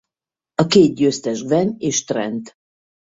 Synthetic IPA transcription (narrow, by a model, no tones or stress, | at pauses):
ɒkeːt̪̚ɟøːst̪ɛʒɡvɛneːʃt̪rɛ̰nt̪